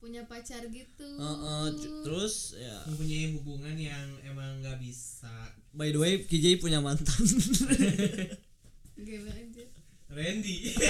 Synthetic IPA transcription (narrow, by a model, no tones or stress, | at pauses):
puɲapat͡ʃarɡit̪uɔʔət̪əɾʊsja̰əpuɲaiɦuɡuŋanjaŋemaŋɡabisa | baiduajkid͡ʒajpuɲamant̪an | ɡemad͡ʒu | rɛndi